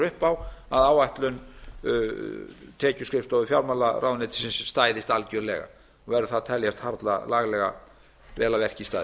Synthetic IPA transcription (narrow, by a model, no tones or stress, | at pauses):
ʏhpawaðaːwajht̪lʏn | t̪ʰɛːcʏskɾɪft̪ɔvɪfjawɾmalːarʔaːwnɛːt̪ɪ̥sɪnst̪aːjðɪst̪alcœɾlɛːɣa̰ | ɔɣvɛɾʏθaðt̪ʰɛljast̪haɾt̪la̰laːɣlɛɣa̰ | rɛːlavɛr̥cist̪a̰j